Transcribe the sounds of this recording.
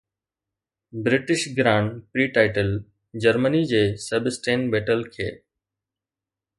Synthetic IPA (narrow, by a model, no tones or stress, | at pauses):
bɾɪʈɪʃɡɾãːɳpɾiːʈaːɪʈəl | d͡ʑəɾmənid͡ʑeːsebɪsʈẽːnbeːʈəlkʰḛː